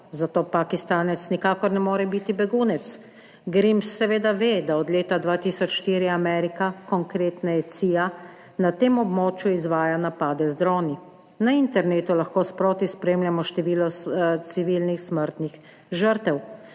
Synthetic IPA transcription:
zat̪oːpakist̪aːnɛt̪snikaːkɔɾnɛmoːɾɛbit̪ibɛɡuːnɛt̪s | ɡɾimsːɛʋeːd̪aʋeːd̪aɔd̪lʲeːt̪ad̪ʋaːt̪iːsɔt͡ʃʃt̪iːɾiamɛːɾikakɔŋkɾeːt̪najɛt̪siːja | nat̪eːmɔbmoːt͡ʃjuizʋaːjanapaːd̪ɛzd̪ɾɔːni | naint̪ɛɾneːt̪ulaxkoːspɾoːt̪ispɾeːmljamɔʃt̪ɛʋiːlɔt̪siʋiːlnixsməɾt̪nix | ʒəɾt̪ɛw

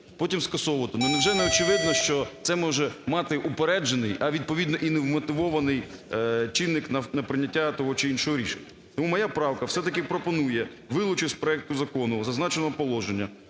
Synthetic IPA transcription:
pɔtʲimskɐsɔʋɔt̪ɔnʊnɛwʒɛnɛɔt͡ʃɪʋɪd̪nɔʃt͡ʃɔt̪sɛmɔʒɛmɑt̪ɪʔupeɾɛd͡ʒenɪjɐʋʲid̪̚pɔʋʲid̪nɔʔinɛwmɔt̪ɪʋɔʋɐnɪjt͡ʃɪnːɪknɐnɐpɾɪnʲːɐtʲːat̪ɔɦɔt͡ʃɪinʃɔɦɔɾʲiʃenʲːɐ | t̪ɔmumɔjapɾɑwkɐwsɛt̪ɐkɪpɾɔpɔnujɛ | ʋɪlˠʊt͡ʃɪsʲpɾɔɛk̚t̪ʊzɐkɔnʊzɐznɑt͡ʃenɔɦɔpɔlˠɔʒenʲːɐ

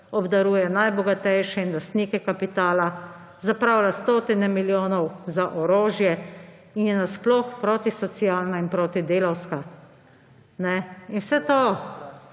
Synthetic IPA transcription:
ɔbd̪aɾuːjɛnajbɔɡat̪ɛjʃɛinlast̪niːkɛkapit̪aːla | zapɾawlast̪oːt̪inɛmiljoːnɔwzaʔɔɾoːʒjɛ | injɛnasplɔxpɾoːt̪isɔt̪sijaːlnainpɾoːt̪id̪eːlawska | nɛinwsɛt̪oː

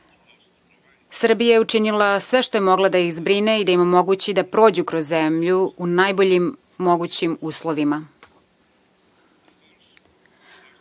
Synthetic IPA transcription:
sr̩bijajeuʈ͡ʂinilasʋe̞ʃt̪ojemo̞ɡlˠad̪aixzbɾineid̪aimomoɡut͡ɕid̪apɾo̞ːd͡ʑukɾozːemʎuunajbo̞ʎimː | o̞ɡut͡ɕimuːslˠoʋima

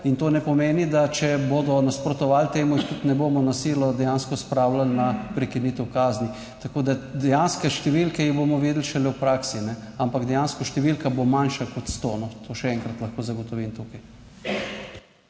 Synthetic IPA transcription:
int̪oːnɛpɔmeːnid̪at͡ʃɛboːd̪ɔnaspɾɔt̪ɔʋalt̪eːmuixt̪ut̪nɛboːmɔnasiːlɔd̪ɛjanskɔspɾawlalnapɾɛkiniːt̪ɛwkaːzni | t̪akoːd̪ad̪ɛjanskɛʃt̪ɛʋilkɛjiboːmɔʋiːd̪lʃɛlɛwpɾaːksinɛampaɡd̪ɛjanskɔʃt̪ɛʋilkabomanʃakɔt̪st̪oːnɔt̪ʰoːʃɛɛŋkɾat̪lɐxkoːzaɡɔt̪ɔʋimt̪uːkaj

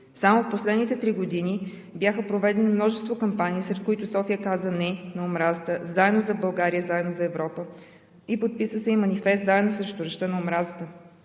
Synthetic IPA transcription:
samofposlɛd̪nit̪ɛt̪ɾiɡod̪ini | bjaxəpɾovɛd̪ɛnimnɔʒɛst̪vokɐmpaniːsɾɛt̪̚kʊit̪ʊsɔfijəkazənɛnɐomɾazət̪əzaɛd̪nozɐbɐlˠɡaɾijəzaɛd̪nozɐɛvɾɔpə | ipot̪̚pisəsɛimɐnifɛst̪zaɛd̪nosɾɛʃt̪ʊɾɐʃt̪ənɐʊmɾazət̪ə

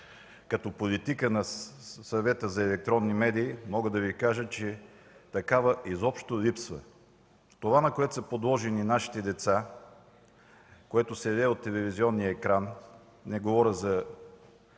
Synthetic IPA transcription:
kɐt̪ɔpolit̪ikənɐsɐvɛt̪əzɐɛlɛk̚t̪ɾɔnːimɛd̪iːmɔɡəd̪ɐvikaʒət͡ʃɛ | t̪ɐkavəʔizɔpʃt̪olipsvə̰ | t̪ovanɐkoɛt̪o̥səpod̪lˠɔʒɛninaʃi̥t̪ɛd̪ɛt̪sa | koɛt̪osɛɐd̪ɛot̪ːɛlɛviziɔnːijəɛkɾan | nɛɡovɔɾʲəzɐ

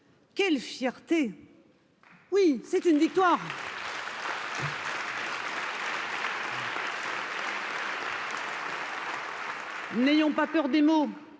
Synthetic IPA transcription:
kʲɛlfjɛʁt̪e | wisɛt̪ynvik̚t̪waʁ | nejɔ̃papœʁd̪emo

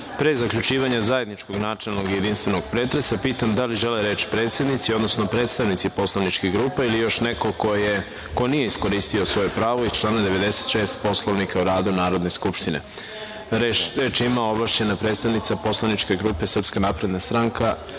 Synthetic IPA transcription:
pɾezakʎut͡ʃiːʋaɲazaje̞d̪nit͡ʃko̞ɡnaːt͡ʃelˠnoɡjed̪inst̪ʋe̞no̞ɡ̥pɾe̞ːt̪ɾe̞sapiːt̪amd̪aliʒeleɾe̞ːt͡ʃpɾe̞ːt̪se̞d̪nit̪sio̞d̪nosno̞pɾet̪st̪aʋnit̪sipo̞slˠaʋnit͡ʃkeɡɾuːpeilijo̞ʃnekokoje | ko̞nije̞isko̞ɾist̪io̞sʋo̞jepɾaːʋoizt͡ʃlˠaːnad̪eʋe̞d̪e̞se̥t̪ʃe̞ːst̪po̞slˠoʋnikauɾaːd̪unaːɾo̞d̪neskupʃt̪inḛ | ɾe̞ːt͡ʃimao̞blˠaʃt͡ɕenapɾe̞ːt̪st̪aʋnit̪sapo̞slˠanit͡ʃke̞ɡɾupe̞sər̩pskanaːpɾe̞d̪nast̪ɾaŋkʰa

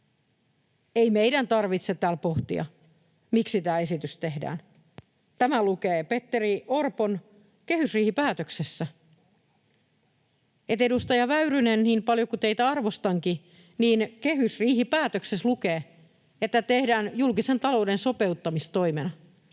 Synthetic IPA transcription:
eimeidænt̪ɑrʋit̪set̪æːlpo̞ht̪ḭɑ̰ | miksit̪æːe̞sit̪yst̪e̞ɦdæ̰ːn | t̪æmælukeːpe̞t̪ːeɾiorpon | ke̞hysriːhipæːt̪øksesːæ | et̪edust̪ɑjɑʋæyɾynenniːmpɑljo̞kut̪eit̪æɑrʋo̞st̪ɑŋki | niːnkeɦysriːhipæːt̪økseslukeː | et̪ːæt̪e̞hdæːnjulkise̞nt̪ɑlo̞wde̞nso̞pe̞ut̪ːɑmist̪o̞jmenɑ

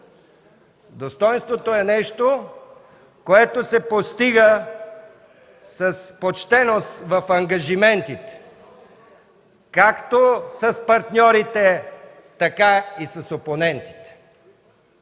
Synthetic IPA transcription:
d̪ost̪ɔjnst̪vot̪oɛnɛʃt̪o | koɛt̪osɛpost̪iɡə | sɐspot͡ʃt̪ɛnost̪vɐfɐŋɡɐʒimɛnt̪it̪ɛ̥ | kakt̪osɐspɐɾt̪nʲɔɾit̪ɛ | t̪ɐkaisɐsoponɛnt̪i̥t̪ɛ̥

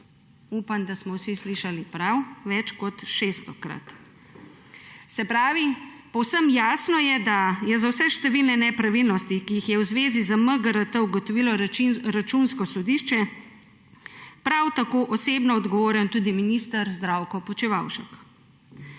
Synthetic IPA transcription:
uːpand̪asmɔwsisliʃalipɾawʋɛt͡ʃkɔt̪ʃest̪ɔkɾa̰t̪ | sɛpɾaːʋipɔwsəmjaːsnɔjɛd̪ajɛzawsɛʃt̪ɛʋilnɛnɛpɾaʋilnɔst̪ikijixjɛwzʋeːzizaməɡəɾət̪əuɡɔt̪ɔʋiːlɔɾat͡ʃunskɔsɔd̪iʃt͡ʃɛ | pɾawt̪akoːʔɔsebnɔːd̪ɡɔʋoːɾjɛnt̪uːd̪iminist̪əɾzd̪ɾaːwkɔpɔt͡ʃiʋawʃɛk

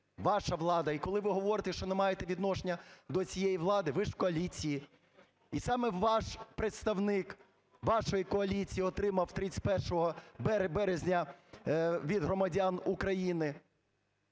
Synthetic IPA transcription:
ʋɑʃɐʋlˠɑd̪ɐikɔlˠɪʋɪɦɔʋɔɾɪt̪ɛʃt͡ʃɔnemɑjet̪ɛʋʲid̪nɔʃenʲːɐd̪ɔt͡sʲijɛjiʋlˠɑd̪ɪʋɪʃkɔɐlʲit͡sʲiji | isɑmɛʋɑʃpɾet̪st̪ɐwnɪk | ʋɑʃɔjikɔɐlʲit͡sʲijiɔt̪ɾɪmɐwt̪ɾɪt͡sʲpɛrʃɔɦɔbɛɾbɛɾezʲnʲɐ | ʋʲid̪ɦɾɔmɐdʲanukɾɐjinɪ

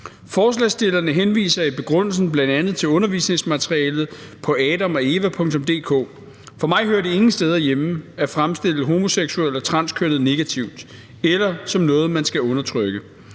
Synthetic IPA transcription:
fɒːslɛ̰ːsd̥e̝lɐnəɦenʋḭːsɐib̥e̝ɡ̥ʁɔn̰l̩sn̩b̥lænd̥ænð̞̩ˠt͡sʰe̝lɔ̽nɐʋisne̝ŋsmæt͡sʰʁiɛːlð̞̩ˠ | pʰɒ̽ɛːd̥ɒmɒe̝ʋæpʰɔ̽ŋt͡sʰɔ̽md̥e̝̰ːkʰɔ̰ː | fɒ̽mɑ̈ɪɦøːɐdee̝ŋn̩sd̥eːð̞ˠɐjemæfʁamsd̥e̝l̰əɦo̝mo̝seɡ̥suel̰ɒ̽t͡sʰʁɑ̈n̰skʰønð̩ˠne̝ɡ̥æt͡sʰiʊd̥ | elɐsɒ̽mnɔ̽ːð̞̩ˠmænsɡ̥æɔ̽nɐt͡sʰʁœɡ̥ə

